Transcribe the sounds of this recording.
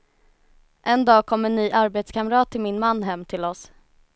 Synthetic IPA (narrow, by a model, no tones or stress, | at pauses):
ʔɛnd̪ɑːkʰɔmːɛnːyːʔaɾbeːt̪skʰamɾɑːt̪ʰːɪlmɪnmanːɦɛmːt̪ʰɪlɔs